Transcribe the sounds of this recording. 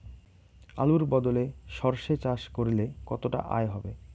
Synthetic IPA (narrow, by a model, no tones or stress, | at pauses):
a̰luɾbɔd̪oleʃɔɾʃet͡ɕaʃkoɾilekɔt̪oʈa̰ʔa̰eɦɔbe